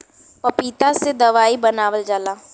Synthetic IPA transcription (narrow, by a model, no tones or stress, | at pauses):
pəpiːt̪ased̪əʋaːibənaːʋəld͡ʒaːlaː